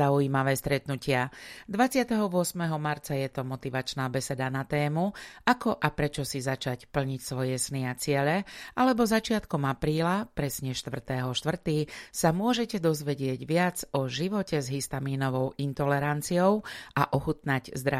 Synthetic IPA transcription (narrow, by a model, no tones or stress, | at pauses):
aujiːmaʋɛːst̪ɾɛt̪nucɪad̪ʋat͡sɪat̪ɛɦɔʋʊɔsmɛɦɔmaɾt͡sajɛt̪ɔmɔt̪iʋat͡ʃnaːbɛsɛd̪anat̪ɛːmuakɔʔapɾɛt͡ʃɔsizat͡ʃacpl̩ɲicsʋɔjɛsniat͡sɪɛʎɛʔalɛbɔzat͡ʃɪat̪kɔmapɾiːlapɾɛsɲɛʃt̪ʋr̩t̪ɛːɦɔʃt̪ʋr̩t̪iːsamʊɔʒɛcɛd̪ɔzʋɛɟɪɛɟʋɪad͡zɔʒiʋɔcɛzɦist̪amiːnɔʋɔʊint̪ɔlɛɾant͡siɔʊaʔɔxut̪naɟzd̪ɾa